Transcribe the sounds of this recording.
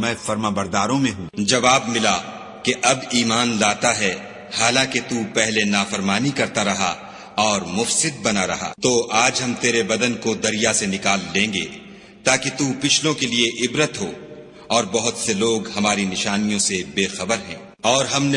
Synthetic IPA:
mɛ̃ːfɐɾmaːbɐɾd̪aːɾõmẽɦũːd͡ʒɐʋaːbmɪla | keʔɐbiːmaːnlaːt̪aɦɛ | haːlãːket̪uːpɛɦlenaːfɐɾmaːnikɐɾt̪aɾɐɦa̰ | ɔːɾmʊfsɪd̪̚bɐnaɾɐ̰ɦa̰t̪oʔaːd͡ʒɦɐmt̪eːɾebɐd̪ənkod̪ɐɾijasenɪkaːlːẽːŋɡḛ | t̪aːket̪uːpɪt͡ʃʰlõkelieʔɪbɾət̪ɦoː | ɔːɾbɐɦʊt̪seloːɡhɐmaːɾinɪʃaːnijõsebeːxɐbəɾɦɛ̰̃ː | ɔːɾɦɐmne

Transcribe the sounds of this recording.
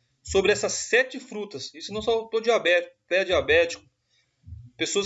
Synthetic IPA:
sobɾɪɛsɐsːɛt͡ʃɪfɾut̪ɐsisʊnɐ̃w̃sɔt̪od͡ʒiabɛpɛd͡ʒiabɛt͡ʃi̥kʊ̥ | pesoɐs

